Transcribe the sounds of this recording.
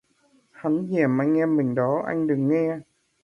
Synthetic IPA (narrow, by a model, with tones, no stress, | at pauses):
ha˨˦nzɛ˧˩əmʔa˧jŋ̟ːɛ˧mï˨˩ŋ̟ɗɔ˨˦ʔa̰˧jŋ̟ɗɨ˨˩ŋːɛ˧